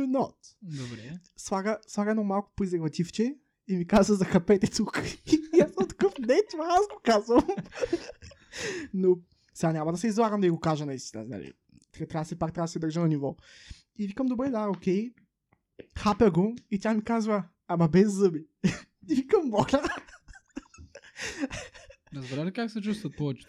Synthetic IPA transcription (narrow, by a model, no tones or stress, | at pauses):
unɔt̪d̪obɾɛslˠaɡəslˠaɡəɛnɔmalˠkʊ̥pizɛɡvɐt̪ʲift͡ʃɛ | imikazvɐzɐxɐpɛt̪ɛt̪ukjasəmt̪ɐ̥kɤfnɛt̪mɐazɡokazvɐm | no | sɛɡanʲɲʲamɐd̪ɐsɛizlˠaɡəmd̪ɐiɡokaʒɛnɐist̪inə̰na̰lḭ | t̪t̪ɾabsɛpakt̪ɾabɐd̪ɐsɛd̪əɾʒənɐnivɔ | ivikəmd̪obɾɛd̪aokʲɛj | xapɛɡoit̪ʲamikazvɐ | amɐbɛzːɤbi | t̪ivikəmːɔlʲɐ | ɾɐzbɛɾaikaksɛt͡ʃust̪ɐt̪̚pɔɛt͡ʃ